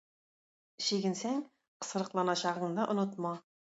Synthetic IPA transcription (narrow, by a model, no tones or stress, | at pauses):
ʃiɡʲɪ̆nsæŋ | qʰə̥sɤ̆ɾə̆qlˠɑnɑɕɑʁɤ̆ɴd̪ɑʔʊ̆nʊt̪mɑ